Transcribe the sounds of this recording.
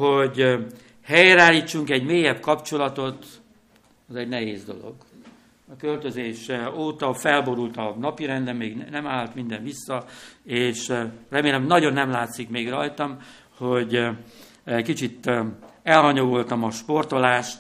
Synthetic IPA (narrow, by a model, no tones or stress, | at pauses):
ho̞ɟ | hɛjɾaːlːiːt͡ʃːuŋkɛɟmeːjɛbkɒpt͡ʃo̞lɒt̪o̞t̪ | ɒzɛɟnɛɦeːzd̪o̞̰lo̞̰ɡ | ɒkø̞lt̪øzeːʃɛoːt̪ɒfɛlbo̞ɾult̪ɒnɒpiɾɛnd̪ɛmːeːɡnɛmaːlt̪mind̪ɛnʋisːɒeːʃrɛmeːlɛmnɒɟo̞nːɛmlaːt̪sikmeːɡrɒjt̪ɒm | ho̞ɟ | ckit͡ʃit̪ɛlhɒɲo̞ɡo̞lt̪ɒmɒʃpo̞rt̪olaːʃt̪